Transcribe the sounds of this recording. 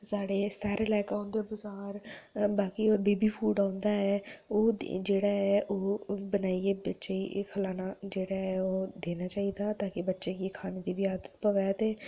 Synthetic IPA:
saːɽeːsaːɾelɛːkaõnd̪eːbʊzaːɾbaːkiːɔːɾbiːbiːpʰuːɖãːnd̪aːɛːoːd͡ʒeːɽaːɦɛːʔoːbənaːieːbətːʃeːḭkʰəlaːnaːd͡ʒeːɽaːɛːoːd̪eːnaːt͡ʃaːiːd̪aːt̪aːkebətːʃeːkiːkʰaːneːd̪iːʋiaːd̪ət̪pəʋɛːt̪eː

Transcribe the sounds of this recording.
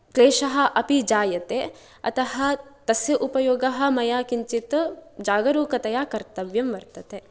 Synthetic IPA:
kleːʃɐɦɐ̆ʔɐpid͡ʒaːjɐt̪e | ɐ̰t̪ɐɦɐ̆t̪ɐsjɐʔupɐjoːɡɐɦɐ̆mɐjaːkiɲt͡ʃit̪d͡ʒaːɡɐɾuːkɐt̪ɐjaːkɐɾt̪ɐʋjɐmʋɐɾt̪ɐt̪e

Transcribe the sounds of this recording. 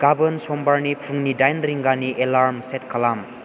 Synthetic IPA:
ɡabɯnsɔmbaɾnipʰuŋnidajnɾiŋɡaniʔelaɾmset̚kʰalam

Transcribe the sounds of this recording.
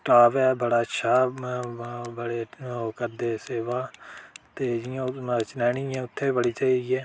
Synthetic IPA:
ʈaːʋɛːbəɽaːətːʃʰaː | bəɽeːokəɾd̪eːseːʋaːt̪eːd͡ʒiãt͡ʃɪnaːɳ̃iaɛ̃ːʊt̪ʰːeːbəɽiːt͡ʃaːiːiɛː

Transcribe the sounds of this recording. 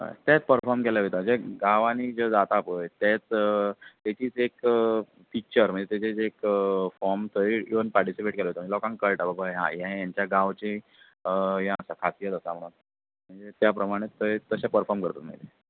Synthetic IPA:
a̰t̪jɛt͡spəɾfɔɾmkɛlaʋet̪am̤əɳd͡zeɡaʋãnid͡zəd͡zat̪aːpəjt̪ɛt͡s | t̪ɛt͡ɕiːt͡sek | fik̚t͡ɕəɾm̤əɳd͡zet̪et͡ɕit͡sekfɔɾmt̪ʰəiiʋənpaɾʈisipeʈ̚kelaʋet̪am̤əɳd͡zelɔkãŋkəlʈababaɦã̰jãjaɲt͡ɕjaɡãʋt͡ɕe | əjãəsakʰat̪ijət̪əsam̤əɽ̃uːn | m̤əɳd͡zet̪japɾəmaɽ̃et̪ət̪əɕapəɾfɔɾmkəɾt̪ət̪m̤ə̰ɳd͡ze

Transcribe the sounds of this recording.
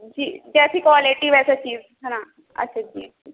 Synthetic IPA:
d͡ʒiːd͡ʒɛːsikʋɔːlɪʈiʋɛːset͡ʃiːz | ɦɛna | ɐ̰ːʃʰad͡ʒiːi

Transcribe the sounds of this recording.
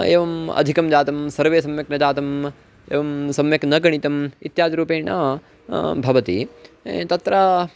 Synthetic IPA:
ḛːʋɐmɐ̰d̪ʱikɐmd͡ʒaːt̪ɐmsɐɾʋeːsɐmjɐknɐd͡ʒaːt̪ɐm | ḛːʋɐmsɐmjɐknɐɡɐɳit̪ɐmit̪jaːd͡ʒ̪ɐɾuːpeːɳɐ̰ | bʱɐʋɐt̪it̪ɐt̪ɾa

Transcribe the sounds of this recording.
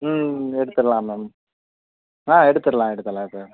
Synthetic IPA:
ɛɽɯt̪ːɯɾɐlãːmem | ãːɛɽɯt̪ːɯɾɐlãːɛɽɯt̪ːɐlãːðɯ

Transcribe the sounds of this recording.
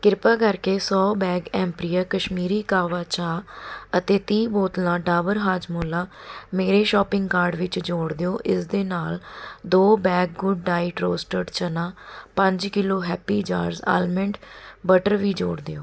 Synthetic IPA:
kɪɾpaːkəɾkeːsɔːbɛːɡɛ̃ːmpɾiːəːkəʃmiːɾiːkaːʋaːt͡ʃaːət̪eːt̪iːboːt̪nãːɖaːʋəɾɦaːd͡ʒmoːlaːmeːɾeːʃɔːpɪ̃ŋɡkaːɾɖʋɪt͡ʃd͡ʒoːɽd̪ejoːʔɪsd̪eːnaːld̪oːbɛːɡ̚ɡʊɖːaːɪʈɾoːsʈəɾɖt͡ʃənãːpə̃ɲd͡ʒkɪloːɦɛːpiːd͡ʒa̰ːɾza̰ːlməɳɖbəʈəɾʋiːd͡ʒo̰ːɽd̪eoː

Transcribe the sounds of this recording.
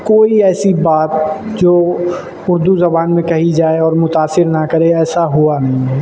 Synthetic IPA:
koːiɛːsibaːt̪d͡ʒoː | ʊɾd̪uzɐbaːnmẽkɐɦid͡ʒaːeɔːɾmʊt̪aːsɪɾnakɐɾeɛːsaɦuanɐɦĩɦɛː

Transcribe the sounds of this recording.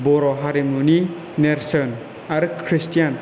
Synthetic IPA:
bɔɾɔɦaɾimuni | neɾsɔn | aɾkʰɾistjan

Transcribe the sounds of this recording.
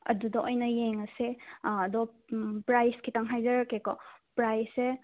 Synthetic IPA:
ɐ̰dudɐʔojnɐjeŋɐseɐdɔ | pɾajskʰitaŋɦajzɐɾakːekɔpɾajse

